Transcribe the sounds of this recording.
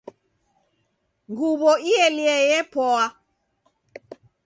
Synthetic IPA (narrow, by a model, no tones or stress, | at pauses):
ŋɡuβɔiɛliɛjɛpɔa